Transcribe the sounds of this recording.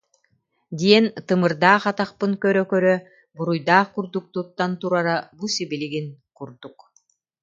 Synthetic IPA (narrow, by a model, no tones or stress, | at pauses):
d̪iɛnt̪ɯmɯɾd̪aːχat̪aχpɯŋkœɾœkœɾœ | buɾujd̪aːχkuɾd̪uk̚t̪ut̪ːant̪uɾaɾabusibiliɡinkuɾd̪uk